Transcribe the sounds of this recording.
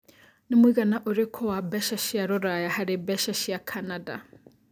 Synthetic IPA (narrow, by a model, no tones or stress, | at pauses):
nimwiɣanaʔoɾekʰowabɛʃaʃiaɾoɾajahaɾebɛʃaʃiakʰanada̰